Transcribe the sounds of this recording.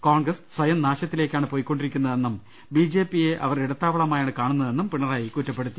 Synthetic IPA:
koːɳɡrɐssʋɐjɐmnaːɕɐt̪ːile̞ːkʲːaːɳɨpo̞ːjikʲːo̞ɳɖiɾikʲːunːɐðe̞nːum | biːd͡ʑe̞ːpːije̞ʔɐ̰ʋɐriɽɐt̪ːaːʋɐɭɐmaːjaːɳɨkaːɳunːɐðe̞nːumpiɳːɐraːjikutːɐpːe̞ɽut̪ːu̥

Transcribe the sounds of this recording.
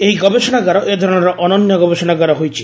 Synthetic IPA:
ejɡɔbeʃonaɡaɾoʔed̪ʱɔɾoneɾʔɔnonjoɡɔbeʃonaɡaɾoɦojt͡ɕʰi̥

